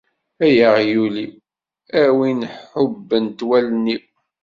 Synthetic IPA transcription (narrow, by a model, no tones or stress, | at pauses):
æjəʁjuli | æwinħʊbːənt̪wælni